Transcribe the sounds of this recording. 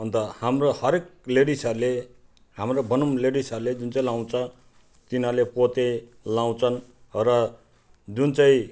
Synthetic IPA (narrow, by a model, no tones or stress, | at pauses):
ɦʌnt̪ʌhamrohʌɾek̚leɽisʌrle | hamrobʱʌnumleɽisʌrled͡zunt͡saĩlaw̃t͡sʰʌ̃ | t̪inalepot̪e | law̃t͡sʰʌnrʌ | d͡zunt͡saĩ